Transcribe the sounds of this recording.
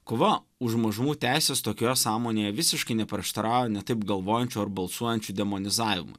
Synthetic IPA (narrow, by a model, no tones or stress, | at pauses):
koːʋɐ | ʊʃmɐʒʊmuːt̪ʲæɪsʲeːst̪oːkʲoːjɛsɑːmoːnʲeːjɛʋʲɪsʲɪʃkɐɪnʲɛpʲɾʲiɛʃt̪ɐɾɑːʊjɛnʲɛt̪ɐɪpɡɐlˠʋoːjɛnʲt͡ʃʲuːɐrbɐlˠsuɔjɛnʲt͡ʃʲud̪ʲɛmoːnʲɪzɑːʋʲɪmʊ̰ɪ